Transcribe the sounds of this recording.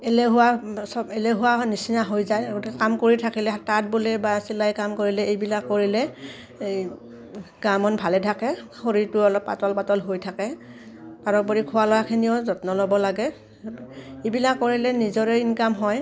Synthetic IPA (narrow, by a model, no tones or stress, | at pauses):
elɛɦʊwasɔbelɛɦʊwanisinaɦojzajɡotikɛkamkoɹitʰakilɛatat̚bolɛbasilajkamkoɹilɛejbilakːoɹilɛ | ɡamɔnbʱalɛtʰakɛxoɹiɹtʊɔlɔpːa̰tɔlpatɔlɦojtʰakɛ | paɹɔbɔɹikʰʊwalɔwakʰinijɔzɔtnɔlɔbɔlaɡɛ | ejbilakːoɹilɛnizɔɹɛinkamɦɔj